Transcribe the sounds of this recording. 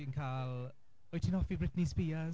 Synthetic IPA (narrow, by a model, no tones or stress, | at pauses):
inkʰaːlˠ | ɔjtʰɪnɔfibɹɪtnispiːə